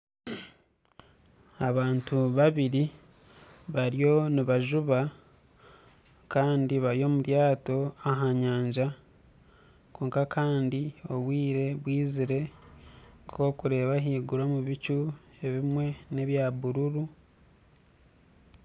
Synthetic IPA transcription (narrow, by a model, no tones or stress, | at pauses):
aβaːntuβaβiɾi | βaɾjo̞niβaʒuβa | kaːndiβaɾjo̞ːmuɾjaːto̞aɦaɲaːɲd͡ʒa | koːŋkakʰaːndio̞βwiːɾe̞βwiːziɾe̞ | kʰo̞ːkuɾe̞ːβaɦiːɡuɾomuβicu | e̞βimwe̞ne̞βjaːβuɾuɾu